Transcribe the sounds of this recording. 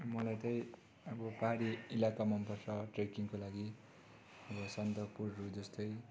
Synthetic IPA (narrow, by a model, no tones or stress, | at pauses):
mʌlajt̪ʌj̃ | ʌbʌpaɦaɾiilakamʌnpʌrt͡sʌʈrekiŋkolaɡi | ʌbʌsʌnt̪ʌpurːud͡zʌst̪ʌj